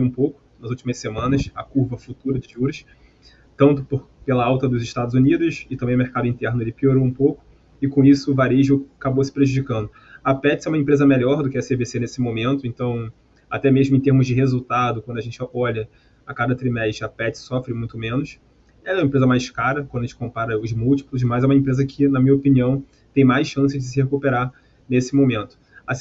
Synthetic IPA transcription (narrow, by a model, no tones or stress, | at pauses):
ũpowkʊ̥nɐzuwt͡ʃimɐsemɐ̃nɐsɐ̰kuɾvɐfut̪uɾɐd͡ʒɪʒuɾɐs | t̪ɐ̃nt̪ʊpoɾ | pelɐawt̪ɐd̪ʊzɪʃt̪ad̪ʊzunid̪ʊsɪt̪ɐ̃bẽj̃ʊmeɾkad̪ʊĩnt̪ɛɾnʊelɪpioɾoũpowkʊ̥ | ɪkõisʊvaɾeʒuakabowsɪ̥pɾeʒud͡ʒikɐ̃nd̪ʊ | ɐpɛt͡ʃɪsɛũmẽmpɾezɐmeʎɔɾd̪ʊkɪɐsevesenesɪmõmẽnt̪ʊẽnt̪ɐ̃w̃ | a̰t̪ɛmeʒmʊẽt̪eɾmʊzd͡ʒɪɦezuwt̪ad̪ʊkwɐ̃nd̪ɐʒẽnt͡ʃɪɔʎɐ | akad̪ɐt̪ɾimɛʃɾɪɐpɛt͡ʃɪ̥sɔfɾɪmũj̃t̪ʊmẽnʊs | ɛmɐẽpɾezɐmajskaɾɐkwɐ̃d̪ẽt͡ʃɪ̥kõmpaɾɐʊzmuwt͡ʃi̥plʊs̬mɐzɛũmɐẽpɾezɐkʰɪnɐmĩɲɐopiniɐ̃w̃ | t̪ẽj̃majsʃɐ̃sɪd͡ʒɪs̬ɪhekupeɾaɾ | nesɪmõmẽnt̪ʊ̥as